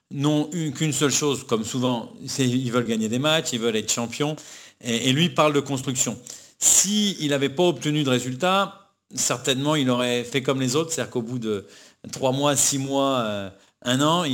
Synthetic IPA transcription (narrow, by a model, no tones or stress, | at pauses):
nɔ̃ykynsœlʃozkɔmsuvɑ̃sɛilvœlɡaɲed̪emat͡ʃilvœlɛt̪χʃɑ̃pjɔ̃eelɥipaʁld̪əkɔ̃st̪χyksjɔ̃ | siːlavɛpaɔp̚t̪ənyd̪əʁezylt̪a | sɛʁt̪ɛnmɑ̃ilɔʁɛfɛkɔmlezot̪χsead̪iʁkobud̪ə | t̪χwamwasimwaø | ɛ̃nɑ̃i